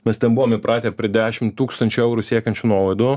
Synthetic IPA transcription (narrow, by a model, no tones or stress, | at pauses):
mʲɛst̪ʲɛnbuʋoːmɪpɾʔɑːt̪ʲeːpʲɾʲiɪd̪ʲæːʃʲɪmt̪uːkst̪ɐnʲt͡ʃʲʊɛʊɾʊːsʲiɛkɐnʲt͡ʃʲʊnuɔlˠɐɪd̪ʊ